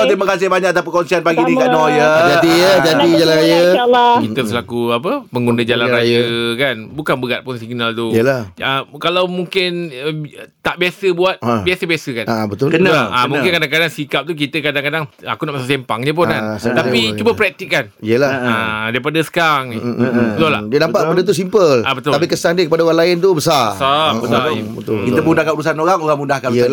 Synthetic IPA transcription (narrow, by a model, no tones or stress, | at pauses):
t̪emakas̬ɪhbaɲakat̪ap̬akɔnsianpaɡinĩkanɔjəd͡ʒadijəd͡ʒadid͡ʒalanɾajəkit̪əsəlakuap̬əpəŋɡundəd͡ʒalanɾajəkanbukanbəɡat̪̚pʊnsiɡnalt̪uiəlahəkalawmuŋkɪn | t̪aʔbiasəbuat̪̚biasəbiasəkanabət̪ʊlkəaamũŋkɪnkadaŋkadaŋsikap̚t̪uk̬it̪əkadaŋkadaŋa̰kunaʔmasasempaŋɲə̃p̬ʊnnanst̪apit͡ʃubapɾɛk̚t̪ikkaniəlaadaipadasə̥kaŋnɪbət̪ula̰ʔdiənampaʔkəpadat̪̬us̬impəlabət̪ʊalpikəsandiəkəpadaoɾaŋlaɪnt̪ubəsasabəobət̪ʊkit̪əpudakaulusanoɾaŋoɾaŋmudahkanb